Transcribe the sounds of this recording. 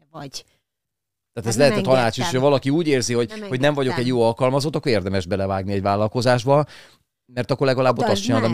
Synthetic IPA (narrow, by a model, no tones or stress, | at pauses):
t̪aːt̪ɛzlɛɦɛt̪ɛt̪ɒnaːt͡ʃiʃocʰɒvɒlɒkiuːɟeːrziho̞ɟho̞ɟnɛɱvɒɟo̞kɛɟjoːɒlkɒlmɒzot̪ːɒkːoɾeːrd̪ɛmɛʒbɛlɛvaːɡniɛɟvaːlɒlko̞zaːʒbɒ | mɛrt̪ɒkːolɛɡɒlaːbːot̪ɒstt͡ʃinaːlɔm